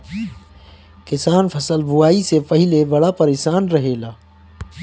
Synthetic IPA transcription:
kɪsaːnpʰɐsəlbʊwaːisepɐɦɪlebɐɽapɐɾesaːnɾɐɦeːlaː

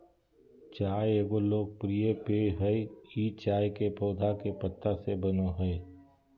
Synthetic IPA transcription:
t͡ʃaːjeːɡoloːɡ̚pɾijepeɦəeiːt͡ʃaːjkepoːd̪ʱakepət̪ːasebənoɦɛe

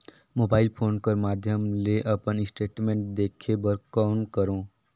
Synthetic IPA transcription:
moːbaːɪlpʰoːnkəɾmaːd̪ʱjəmleʔɐpənɪsʈeːʈmẽːɳʈ̚d̪eːkʰebəɾkaːʊnkəɾõː

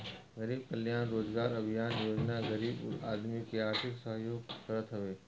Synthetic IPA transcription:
ɣəɾiːb̚kəljaːnɾoːd͡ʒɡaːɾɐbʱijaːnjoːd͡ʒnaɡəɾiːba̰ːd̪mikeaːɾt̪ʰɪksəɦjoːɡsəɾət̪ɦʊʋeː

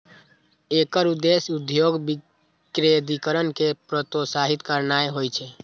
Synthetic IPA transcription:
ekəɾud̪esud̪joɡbi | kɾed̪ikəɾənkepɾət̪osaɦit̪kəɾnajɦojt͡ʃʰɛ

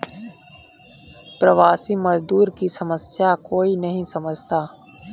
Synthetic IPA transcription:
pɾəʋaːsiməzd̪uːɾkisɐməsjakoːinɐɦĩsɐməd͡ʒʱt̪aː

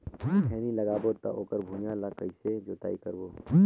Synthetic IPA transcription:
ɛːnilɐɡaːboːt̪a̰ʔoːkəɾbʱuːnjãːlaːkəised͡ʒoːt̪a̰ːikɐɾboː

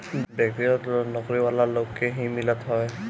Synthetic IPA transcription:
bjak̚tiɹɔtnɔkoɹibalalokːeɦĩmilatɦɔj

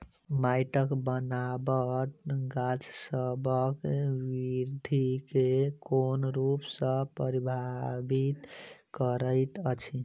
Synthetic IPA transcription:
majʈəkbənabəʈɡat͡ʃsəbəkwiɾd̪ʱikekonɾupsə̃pəɾibʱabit̪kəɾəɪt̪ət͡ʃʰi

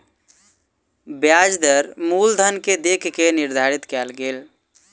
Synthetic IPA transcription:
bjad͡ʒd̪əɾmuːld̪ʱənked̪ekʰkeniɾd̪ʱaɾit̪kɛlɡeːl

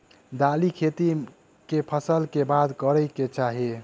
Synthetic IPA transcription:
d̪alikʰet̪i | kepʰəsəlkebad̪kəɾəjket͡ʃaɦi

